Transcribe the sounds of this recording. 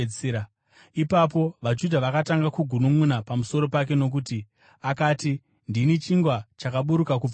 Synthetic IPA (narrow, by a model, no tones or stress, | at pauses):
t͡sea | ipapo̞ʋad͡ʒudʱaʋakataŋɡakuɡʱunumunapamuso̞ɾo̞pak̬e̞no̞k̬uti | akaːti | ndinit͡ʃiŋɡwat͡ʃakaɓuɾukaku